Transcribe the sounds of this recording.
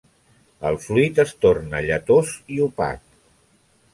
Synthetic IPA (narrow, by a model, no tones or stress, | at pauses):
əlˠfluit̪əst̪ornəʎət̪oziupa̰t̪̚